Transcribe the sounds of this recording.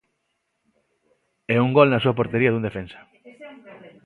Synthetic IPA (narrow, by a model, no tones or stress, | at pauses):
ɛuŋɡɔlnɐsuɐpoɾt̪eɾiɐðund̪efensɐ̥